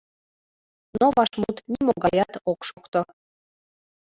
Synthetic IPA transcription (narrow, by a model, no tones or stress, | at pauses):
noβɑʃmut̪nʲimoɡɑjɑt̪okʃokt̪o